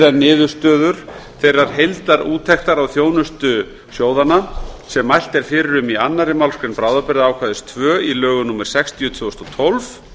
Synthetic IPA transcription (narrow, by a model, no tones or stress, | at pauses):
ðannːɪːðʏ̥st̪œːðʏɾ̥θejrːaɾ̥ɦejlt̪laɾuːt̪ʰɛxt̪aɾawθjoːwnʏst̪ʏ | sjoːwðanasɛmːajl̥t̪ɛɾ̥fɪːɾɪɾʏmianːaɾɪmalskɾɪnpɾaːwðapɪɾðaaːwkʰvaðɪst̪ʰvœːilœːɣʏnuːmːɛɾ̥sɛkst̪ʰiʏt̪ʰvʏːɔst̪ɔt̪ʰɔlv